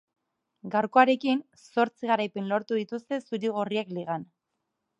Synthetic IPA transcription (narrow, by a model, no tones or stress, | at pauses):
ɡawɾko̞aɾe̞kin | so̞ɾt͡siɣaɾajpe̞nlo̞ɾt̪uðit̪ust̪e̞suɾiɣ̞oriakliɣ̞an